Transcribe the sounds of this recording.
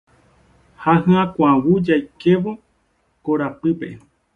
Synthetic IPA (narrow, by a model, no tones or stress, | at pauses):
haɦɨ̃ãkʷawud͡ʒajkeʋo̞ | koɾapɨpe̞̰